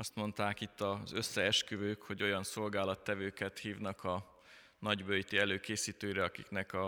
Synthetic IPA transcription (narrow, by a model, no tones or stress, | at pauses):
ɒst̪mo̞nt̪aːkit̪ːɒzø̞sːɛɛʃkyvøːkho̞ɟo̞jɒnso̞lɡaːlɒt̪ːɛvøːkɛt̪hiːvnɒkɒ | nɒɟbøjt̪iɛløːkeːsiːt̪øːiɾɛɒkiknɛkɒ